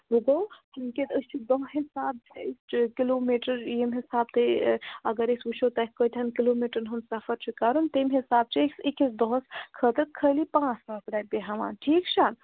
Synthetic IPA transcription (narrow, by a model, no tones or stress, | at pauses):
ɾuɡəwhəmkeəst͡ʃʰid̪ɔɦɦisab̚skilomiʈəɾjemɦisab̚t̪eəɡəɾesut͡ʃʰot̪akkːəjt̪ʰənkilomiʈəɾnɦəmsafʰəɾt͡ʃʰikaɾunt̪emɦisab̚t͡ʃʰeksekisd̪əskʰət̪əɾkʰəlipãt͡ʃlasɾapeɦaʋa̰ʈʰikt͡ʃʰa